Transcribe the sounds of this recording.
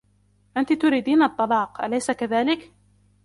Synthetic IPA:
ʔant̪ɪt̪ʊɾiːd̪iːnɑt̪ˤːɑlɑːqʔalajsakaðaːlɪk

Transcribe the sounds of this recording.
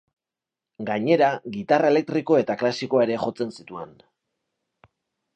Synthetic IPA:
ɡaɲe̞ɾaɣit̪arae̞le̞k̚t̪ɾiko̞e̞t̪aklasiko̞ae̞ɾe̞χo̞t͡se̞nsit̪ue̞̰n

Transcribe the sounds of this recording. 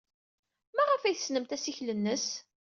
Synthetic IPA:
mæʁəfæjθəsnəmt̪æsiçlənːəs

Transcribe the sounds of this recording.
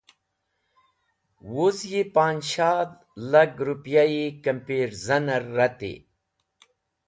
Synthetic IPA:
wuzjipaːnɕaːd̪ | lɐɡɾupjaikɐmpiːɾzɐnɐɾːɐt̪ḭ

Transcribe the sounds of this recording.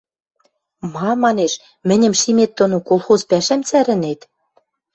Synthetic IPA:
mɑmɑneʃ | mɘ̆nʲɘ̆mʃimet̪̚ːŏnokolˠxozpæʃæmt͡sæɾɘ̆net̪

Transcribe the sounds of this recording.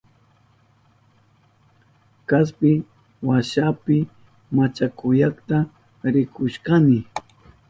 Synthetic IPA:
kas̬pɪ | waʃapɪ | mat͡ʃakʊjakt̪a | ɾɪkʰʊʃkamɪ

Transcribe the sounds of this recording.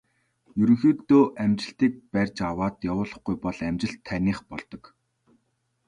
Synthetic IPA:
jɵɾɵ̆ŋxeːt̪oːʔæmt͡ɕɪ̆ɬt̪iːk̚pærʲt͡ɕawaːt̪jawʊːɮɞ̆χɡujpɔɮæmt͡ɕɪ̆ɬt̪ʰːæniːχpɔɮt̪ɞ̆k

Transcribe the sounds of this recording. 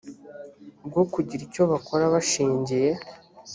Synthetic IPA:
b̚ɡokuɟiɾico̞βako̞ɾaβaʃiːɲɟije̞

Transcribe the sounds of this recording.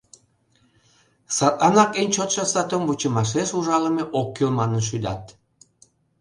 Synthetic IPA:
sɑt̪ɑnɑkenʲt͡ɕot̪ʃɑsɑt̪onbut͡ɕəmɑʃ̬eʃuʒɑləmeʔokːelmɑnə̆nʃ̬yd̪ɑ̰t̪

